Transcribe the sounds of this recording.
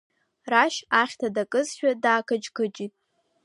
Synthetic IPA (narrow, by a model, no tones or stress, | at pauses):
raʃaχʲtʰadakʼɨzʃᶣadaːkʰad͡ʒkʰɨt͡ʃʼitʼ